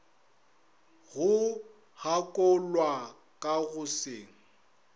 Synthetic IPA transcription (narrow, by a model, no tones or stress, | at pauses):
ɣʊ | hakʼɔlwa | kʼaɣʊseːŋ̩